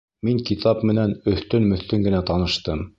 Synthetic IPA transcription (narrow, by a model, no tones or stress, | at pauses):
miŋkit̪ʰɑpmɘ̆nænɵ̆θt̪ɵnmɵ̆θt̪ɵŋɡɘ̆næt̪ɑnɤ̆ʃt̪ɤm